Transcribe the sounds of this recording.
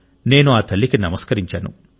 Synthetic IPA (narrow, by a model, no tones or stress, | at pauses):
ne̞ːnuaːt̪ʰɐlːikinɐmɐskɐɾiɲt͡ʃaːnṵ